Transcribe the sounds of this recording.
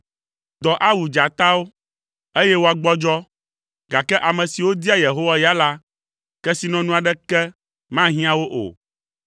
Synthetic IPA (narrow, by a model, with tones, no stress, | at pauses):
d̪ɔ˨ʔa˦wu˨d͡ʒa˨t̪a˦wo˦ | e˦jɛ˦wo˦a˨ɡ͡bɔ˦d͡ʒɔ˦ | ɡa˨kɛ˦ʔa˨mɛ̃˨si˨wo˦d̪i˦a˦je˨ɦo˦wa˦ja˦la˦ | kɛ˦si˨nɔ̃˨nũ˦a˨ɖɛ˦kɛ˦ | mã˦ɦĩ˦ã˦wo˦ʔo̰˨